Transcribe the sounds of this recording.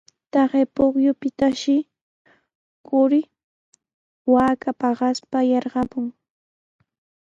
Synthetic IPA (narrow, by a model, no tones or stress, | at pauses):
t̪ɑɢepoχjʊpɪt̪aʃɪ | kʊɾɪ | waːkapɑɢɑspajɑɾɢɑpʊŋ